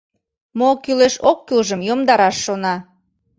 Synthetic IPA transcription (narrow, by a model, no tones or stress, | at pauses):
mokyleʃokːylʒəmjomd̪ɑɾɑʃːonɑ